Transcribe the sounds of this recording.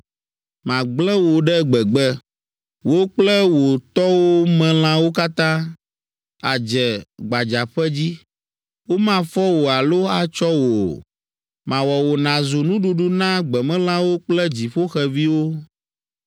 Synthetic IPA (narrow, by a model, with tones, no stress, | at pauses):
mã˨ɡ͡blɛ̃˦wo˨ɖɛ˦ɡ͡bɛ˨ɡ͡bɛ˦ | wo˦k͡plɛ˦wo˨t̪ɔ˦wo˦mɛ̃˨l̃ã˦wo˦ka˦t̪ã˦ | a̰˨d͡ʒɛ˨ɡ͡ba˨d͡ʒa˨ɸɛ˦d͡ʑi˦ | wo˦mã˦fɔ˦wo˨a˨lo˦a˨t͡ʃɔ˦wo˨ | mã˨wɔ˨wo˨nã˨zu˨nũ˦ɖu˦ɖu˦nã˦ɡ͡bɛ˨mɛ̃˦l̃ã˦wo˦k͡plɛ˦d͡ʑi˨ɸo˦xɛ˨vi˦wo˦